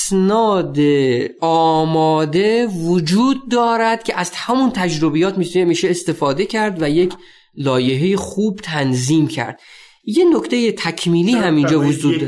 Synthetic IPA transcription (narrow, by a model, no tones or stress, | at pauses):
snɒːd̪eɒːmɒːd̪e̞vod͡ʒuːd̪̚ːɒːɾæd̪̥̚cʰeʔæzhæmunt̪ʰæd͡ʒɾobijɒːt̪mit̪ʰnemiːʃeːst̪e̞fɒːd̪e̞cʰæɾd̪væje̞kʰ | lɒːje̞ɦejexuːbt̪ʰænziːmcʰæ̰ɾd̪̥̚ | je̞nokʰt̪eje̞t̪ʰækʰmiːliːɦæmind͡ʒɒːvod͡ʒuːd̪